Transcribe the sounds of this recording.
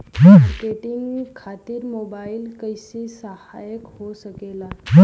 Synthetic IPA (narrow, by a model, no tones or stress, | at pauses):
ɦkeʈiŋɡkʰat̪iːɾmobailkəjsiːsəha̰jəkhosəkelaɦ